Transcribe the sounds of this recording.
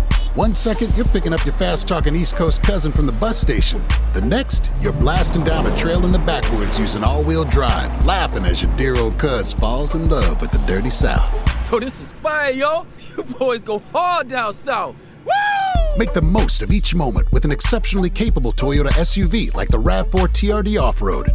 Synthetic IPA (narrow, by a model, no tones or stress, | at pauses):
wʌ̃nsɛkɨ̃njə˞pɪkɪ̃ŋʌpjə˞fæstʰɔkɨ̃niskʰoʊs̚kʰʌzɨ̃nfɹʌ̃mðəbʌsteɪʃɨ̃nðɨnɛkstjə˞blæstɨ̃n̩dãʊ̃nɨtʰɹ̥eɪlˠə̃nðɨbækwə˞dzjʉzɪ̃ŋɔlˠwilˠdɹaɪvlæfɪ̃ŋɨ̰zjə˞dɪɹoʊlˠd̚kʰʌz̥fɔlˠzɨ̃nlʌvwɨðɨdɜ˞ɾisa̰ʊθoʊðɪsɨz̥baɪjoʊ | jɨbɔɪzɡoʊhɑɹdãʊ̃nsaʊθ | womeɪk̚ðɨmoʊstʌvit͡ʃmõʊ̃mə̰̃nʔ̚wɨðɨ̃n̩ɨksɛpʃnl̩ˠikʰeɪpəbl̩ˠtʰɔɹoʊɾɨʔɛsjʉvila̰ɪk̚ðəɹæd̥fɔɹtʰiɑɹdiɔfɹo̰ʊd̥